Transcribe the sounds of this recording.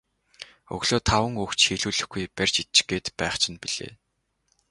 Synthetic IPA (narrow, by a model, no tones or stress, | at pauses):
ɵ̰ɣɮoːt̪ʰawə̆ŋuxt͡ɕxiːɮuːɮɘ̆xɡujpærʲt͡ɕit͡ɕɡeːt̪pæːχt͡ɕʰɪ̆npiɮḛː